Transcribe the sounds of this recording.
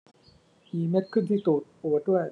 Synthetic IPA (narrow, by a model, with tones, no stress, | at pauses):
ʔiː˨˩me˦˥t̪̚kʰɯ˥˩nt̪ʰiː˥˩t̪uː˨˩t̪̚pu˨˩ət̪̚du˥˩əj